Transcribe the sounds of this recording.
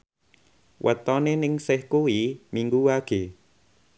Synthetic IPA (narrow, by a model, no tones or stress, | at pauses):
wʔə̰t̪ɔnenɪŋsɪhkuwimiŋɡuwaɡ̥e